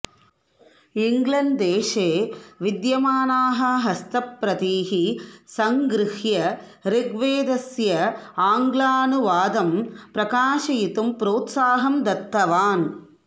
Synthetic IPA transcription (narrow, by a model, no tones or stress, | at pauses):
ɪŋɡlɐnd̪eːʂeːʋɪd̪jɐmaːnaːɦɐɦɐst̪ɐpːɾɐt̪iːɦisɐŋɡɾɪhjɐ | ɾɪɡʋeːd̪ɐsjɐaːŋɡlaːnuʋaːd̪ɐmpɾɐkaːʂɐjɪt̪ɯmpɾoːt̪saːɦɐmd̪ɐt̪ːɐʋaːn